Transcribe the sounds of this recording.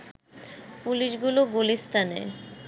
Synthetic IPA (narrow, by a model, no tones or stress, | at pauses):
puliʃɡuloɡulist̪ʰanḛ